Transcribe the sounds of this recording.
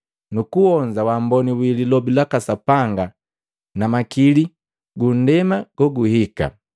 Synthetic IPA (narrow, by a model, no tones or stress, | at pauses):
nukuɔnd͡ʒawambɔniwililɔbilakasapaŋɡa | namakili | ɡun̩dɛmaɡ̥ɔɡuhika̰